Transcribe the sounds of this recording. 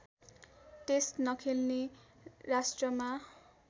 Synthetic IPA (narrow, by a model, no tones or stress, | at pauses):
testnʌkʰelne | rasʈrʌma